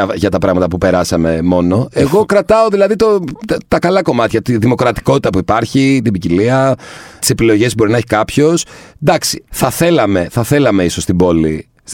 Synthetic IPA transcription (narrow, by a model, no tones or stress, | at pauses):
ɐʝɐt̪ɐpɾɐɣmɐt̪ɐpupe̞ɾɐsɐme̞mo̞no̞eɣo̞kɾɐt̪ɐoðilɐðit̪ot̪t̪ɐkɐlɐko̞mɐt̪çɐt̪iðimo̞kɾɐt̪i̥ko̞t̪it̪ɐpuipɐɾçit̪̬ibiciliɐt̪i̥se̞pilo̞ʝe̞sboinɐeçi̥kɐpço̞sd̪ɐksi̥θɐθe̞lɐme̞θɐθe̞lɐme̞iso̞st̪ibo̞li